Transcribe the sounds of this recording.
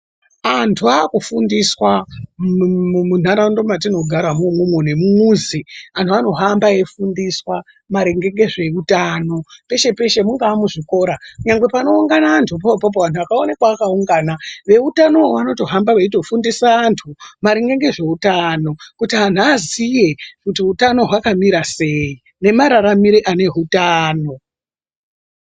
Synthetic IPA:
antʰuakufundiswa | mun̤aɾaundo̞mat̬ino̞ɡʱaɾamumumwone̞mumuːziantʰuano̞ɦambaefundiswa | maɾeŋɡe̞ŋɡe̞ʐe̞utano̞pe̞ʃe̞pe̞ʃe̞muŋɡaːmuʐiko̞ːɾakuɲaŋɡwe̞pano̞uŋɡanaːntʰup̬opop̬oʋantʰuakaone̞kwaːkauŋɡaːnaʋe̞utano̞ʋano̞to̞ɦambaʋaito̞fundisaːntʰumaɾeŋɡe̞ŋɡe̞ʐe̞utano̞kutian̤uazije̞kutiutano̞ɦwakamiɾase̞i | ne̞maɾaɾamiɾeʔane̞ɦutaːno̞

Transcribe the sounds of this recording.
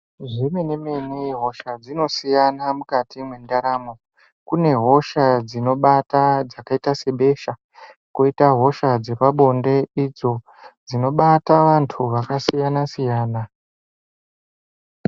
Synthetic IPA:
ʐimenemeniɦo̞ʃad͡zino̞sijanamukatimwe̞ndaɾaːmo | kune̞ɦo̞ʃad͡zino̞ɓatad͡zakaitase̞ɓe̞ʃa | koitaɦo̞ʃad͡ze̞paɓo̞nde̞id͡zo̞ | d͡zino̞ɓataʋantʰuʋakasijanasijaːna

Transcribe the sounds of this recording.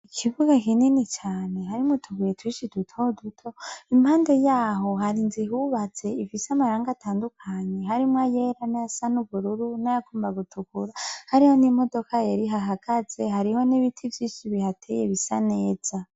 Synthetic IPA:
ikʰivuɡakininit͡ʃaːne̞ɦaɾimutʰuɡujetwiʃidutʰodutʰo̞imhaːnde̞jaːɦo̞haɾinziɦuβat͡se̞ifisamaɾaːŋɡatʰaːndukʰaɲe̞ɦaɾimwajeɾanajasanuβuɾuɾunajakuːmbaɡutʰukuɾahaɾiho̞nimo̞do̞kajeɾiɦaɦaɡ̥aze̞ɦaɾiho̞niβitʰivjiːʃiβihatʰejeβisane̞ːz̥a

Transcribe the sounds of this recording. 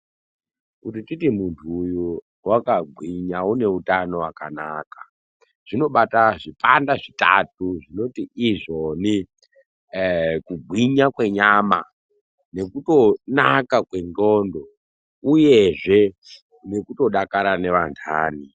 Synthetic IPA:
kutititimuntʰuːju | wakaɡʱwiɲaune̞utano̞wakanaka | ʐ̥ino̞ɓataʐipandaʐita̰tuʐino̞tiʔːʐo̞ni | kuɡʱwiɲakwe̞ɲama̰ | ne̞kuto̞nakakwe̞ŋɡo̞ːndo̞ | uje̞ʐe̞ | ne̞kuto̞ɗakaɾane̞ʋantʰa̰ːni

